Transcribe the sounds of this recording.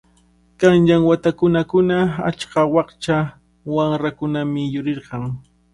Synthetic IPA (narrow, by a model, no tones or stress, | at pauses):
kanʎaŋwat̪akʊnakʊnaa̰t͡ʃkawɑχt͡ʃa | waŋɾakʊnamɪjʊɾɪɾɢɑŋ